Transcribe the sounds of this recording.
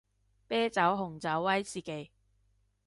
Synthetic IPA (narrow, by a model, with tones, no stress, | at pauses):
pɛː˥t͡sɐ˨˥wɦʊ˨˩ŋt͡sɐ˨˥wːɐ˥jsiː˨˩ke˨˥j